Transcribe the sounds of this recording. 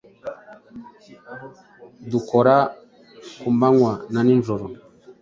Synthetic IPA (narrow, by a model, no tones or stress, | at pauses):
dukɔɾa | kumbaŋwananinzoɾɔ